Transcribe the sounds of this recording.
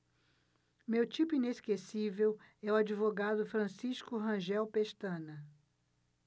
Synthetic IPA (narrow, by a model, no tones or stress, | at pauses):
mewt͡ʃipʊineskesivewɛʊad͡ʒivoɡad̪ʊfɾɐ̃siʃkʊɦɐ̃ʒɛwpeʃt̪ɐ̃nɐ